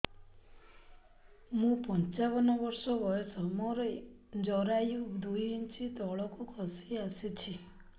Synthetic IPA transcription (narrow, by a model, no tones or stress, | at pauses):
mũpɔnt͡ʃabɔnɔbɔɾsɔbɔjesɔmɔɾɔ | d͡ʒɔɾajud̪ujint͡ʃʰit̪ɔɭɔkukʰɔsiasit͡ʃʰi